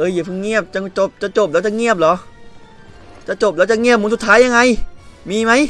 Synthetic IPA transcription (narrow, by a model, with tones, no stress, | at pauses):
ʔɤː˧˩jːpʰɯ˧˩ŋi˧˥˩əp̚t͡ɕa˨˩t͡ɕo˨˩p̚t͡ɕa˨˧˩t͡ɕo˨˩p̚lɛː˦˥t͡ɕa˨ŋi˥˩əp̚lɔː˨˦ʔ | t͡ɕa˨˩t͡ɕo˨˩p̚lɛː˦˥wt͡ɕa˨˩ŋi˥˩əp̚muː˨˦su˨˩t̪ʰːaː˦˥ja˧ŋa˧jmiː˧ma˦˥j